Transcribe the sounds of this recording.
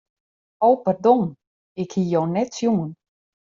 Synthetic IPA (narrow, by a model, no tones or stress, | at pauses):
owpardon | ɪkhijoːnɛtsjumən